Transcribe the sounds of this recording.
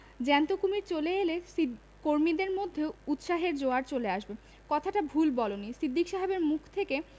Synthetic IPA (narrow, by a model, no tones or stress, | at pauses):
d͡ʑɛnt̪okumiɾt͡ɕoleelesi | koɾmid̪eɾmod̪ʱːeout̪ʃaɦeɾd͡ʑoaɾt͡ɕoleaʃbe | kɔt̪ʰaʈabʱulbɔlonisɾid̪ʱːikʃaɦebeɾmukʰt̪ʰeke